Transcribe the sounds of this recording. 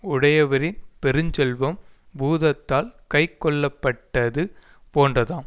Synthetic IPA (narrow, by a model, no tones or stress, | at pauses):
ʊɽɐjɐʋɐɾɪnpɛɾɯɲd͡ʒɛlʋɐmbuːðɐt̪ːaːlkɐɪkːɔɭːɐpːɐʈːɐðɯ | poːndrɐðãːn